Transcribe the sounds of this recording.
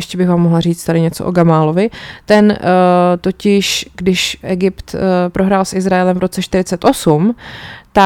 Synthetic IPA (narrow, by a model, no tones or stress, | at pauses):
jɛʃcɛbɪxɣvaːmːoɦlar̝iːt͡st̪adɪɲɛt͡soʔo̰ɡamaːlo̞vɪt̪ɛnt̪o̞cɪʃɡdɪʃʔɛɡɪpt̪pɾʔo̞ɦɾaːlsʔɪzɾaɛlɛmvɾo̞t͡sɛʃt̪ɪɾɪt͡sɛt̪ʔo̞sumt̪a